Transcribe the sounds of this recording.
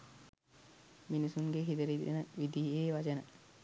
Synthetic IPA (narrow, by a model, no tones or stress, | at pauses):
minisuŋɡeɦid̪əɾit̪ḛnəʋid̪ieːʋat͡ʃənə̰